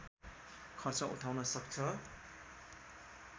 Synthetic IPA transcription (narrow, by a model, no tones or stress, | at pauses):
kʰʌrt͡sʌʔṵʈʰawnʌsʌkt͡sʰʌ